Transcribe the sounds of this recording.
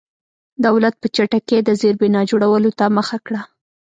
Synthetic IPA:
d̪awlat̪̚pət͡ʃaʈaked̪əzeɾbɪnɑd͡ʒoɽawəlot̪aməxakɽa

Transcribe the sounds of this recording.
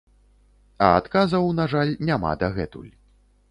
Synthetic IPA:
ɐat̪kazɐwnaʐalʲnʲama̰d̪ɐɣɛt̪ṵlʲ

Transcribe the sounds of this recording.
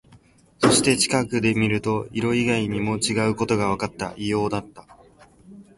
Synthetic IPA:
so̞ɕi̥t̪e̞t͡ɕi̥kakɯ̟d̪e̞mʲiɾɯ̟t̪o̞iɾo̞iɡaiɲ̟imo̞t͡ɕiɡaɯ̟ko̞t̪o̞ɡaβ̞akat̪ːaʔijo̞ːd̪at̪ːḁ

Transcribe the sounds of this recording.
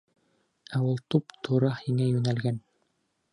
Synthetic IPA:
æwulˠt̪upt̪ʰuɾɑhiŋæjʉnælɡæn

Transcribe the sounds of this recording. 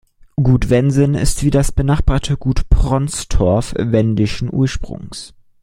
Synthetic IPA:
ɡuːtv̥ɛnzənɪ̰stv̥iːdasb̥ənaːχb̥aːɐtʰəɡuːtpʁ̥ɔnt͡sd̥ʰɔɐfvɛndɪʃn̩ʔṵːɐʃpʁ̥ʊ̰ŋs

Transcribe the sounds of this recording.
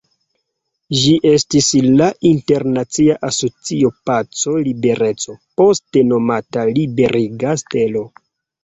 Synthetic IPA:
ʒiʔe̞stislaʔinte̞ɾnat͡siaʔaso̞t͡sio̞pat͡so̞libe̞ɾe̞t͡so̞po̞ste̞no̞matalibe̞ɾʔiɡaste̞lo̞

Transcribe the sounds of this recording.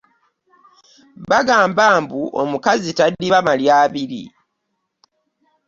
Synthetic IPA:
βaɡaːmbaːmbuʔo̞̰mukazitadːiβamaljaːβiɾḭ

